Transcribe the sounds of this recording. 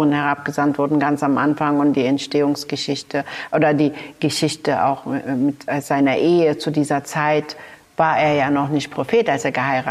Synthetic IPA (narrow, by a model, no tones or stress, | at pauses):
ənhɛʁapɡ̥əzantv̥ʊɐdn̩ɡant͡samʔanfaŋʊntd̥iːɛntʃteːʊŋsɡ̥əʃɪçtəʔoːdɐdiːɡ̥əʃɪçtəa̰ʊxmɪtːz̥aɪnɐʔeːət͡sudiːzɐt͡saɪt | v̥aːɐʔeːɐjaːnɔχnɪçt̚pʁ̥ofeːtalseːɐɡəhaɪʁaː